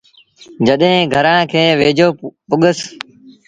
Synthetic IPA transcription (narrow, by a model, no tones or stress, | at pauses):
d͡ʒəɗɦẽːɡʱəɾãːkʰeːʋeːd͡ʒʱoːpʊɠəs